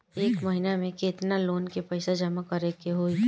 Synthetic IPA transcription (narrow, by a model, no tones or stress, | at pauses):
eːkmɐɦɪnamẽkeːt̪naloːnkepɐɪsad͡ʒɐmakɐɾekeɦoːi